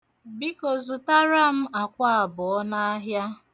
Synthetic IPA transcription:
bi˦ko˨zu˨ta˦ɾa˦m̩˦a˨kʷa˦a˨bʊ˨ɔ˦na˦a˦ɦja˦

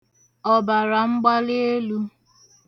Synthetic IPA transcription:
ɔ˨ba˨ɾa˨ŋ͡m̩˦ɡ͡ba˦le˦e˦lu˦

